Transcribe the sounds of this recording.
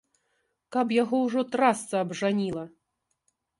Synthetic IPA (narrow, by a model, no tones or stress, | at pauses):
kapjaɣɔwʐɔt̪ɾast̪sɐːbʐanʲilˠɐ